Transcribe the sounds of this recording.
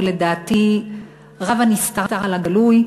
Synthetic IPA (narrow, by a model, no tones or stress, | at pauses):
le̞d̪aːt̪i | ʁavanist̪aʁtaʁalaɡaluj